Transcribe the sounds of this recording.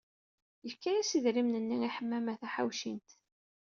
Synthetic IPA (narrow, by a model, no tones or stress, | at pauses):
jəfkæjæsiðɾimnənːiiħəmːæmæθæħa̰wʃint̪